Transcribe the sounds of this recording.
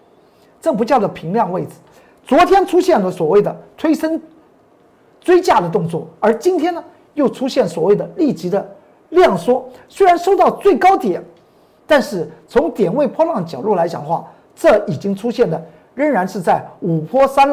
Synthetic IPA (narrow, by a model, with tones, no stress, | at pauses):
ʈ͡ʂɤ˥˩ŋpu˧˥t͡ɕjɑ˥˩ʊd̪ə˩pʰi˧˥ŋljɑ˥˧ŋwe˥˩ɪd͡zɹ̩˨˩˦ | t͡swɔ˧˥t̪ʰjɛ˥nʈ͡ʂʰu˥ɕjɛ˥˩nlə˩swɔ˨˩we˥˩ɪd̪ə˩t̪ʰwe˥ɪʂə˥n | t͡swe˥ɪt͡ɕja˥˩d̪ə˩t̪̬ʊ˥˧ŋt͡swɔ˥˩ə˞˧˥t͡ɕi˥nt̪ʰjɛ˥nə˨ | jo˥˩ʊʈ͡ʂʰu˥ɕjɛ˥˩nswɔ˨˩we˥˩ɪd̪ə˩li˥˩t͡ɕi˧˥d̪ə˧ | ljɑ˥˩ŋʂwɔ˥swe˥ɪɻa˧˥nʂo˥˧ʊt̪ɑ˥˧ʊt͡swe˥˩ɪkɑ˥ʊt̪jɛ˨˩˦n | t̪a˥˧nʂɻ̩˥˩t͡sʰʊ˧˥ŋt̪jɛ˨˩nwe˥˩ɪpʰwɔ˥lwɑ˥˩ŋd̪ə˩t͡ɕjɑ˨˩ʊlu˥˩la˧˥ɪt͡ɕjɑ̰˨˩ŋxwa̰˥˩ | ʈ͡ʂɤ˥˩i˨˩t͡ɕi˥ŋʈ͡ʂʰu˥ɕjɛ˥˩ndlə˩ | ɻə˥˧˩ŋɻa˧˥nʂɻ̩˥˧t͡sa˥˩ɪu˨˩pʰwɔ˥sa˥n